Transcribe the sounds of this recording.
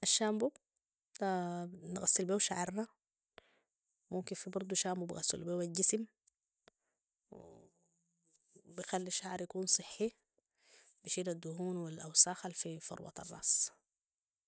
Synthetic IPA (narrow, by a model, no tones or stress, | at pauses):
ʔaʃːaːmbu | nɣasːilbeːwʃaʕɑɾˤna | mumkinfibɑɾˤd̪ˤuʃaːmbubḭɣa̰sːṵlbeːwalɟisim | w̰ | bixalːiʃaʕɾˤjakuːnsˤɨħːi | biʃiːdad̪ːuhuːnwilʔawsaːxalfifɑ̰ɾwɑ̰t̪ɑ̰rˤːɑ̰ːsˤ